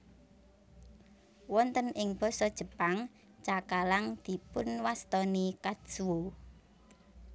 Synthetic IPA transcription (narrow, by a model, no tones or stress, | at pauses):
wɔnt̪ənɪŋb̥ɔ̤sɔd̥ʒ̥ə̤paŋ | t͡ʃakalaŋd̪̥i̤pʊnwast̪ɔnikad̥ʒ̥uwo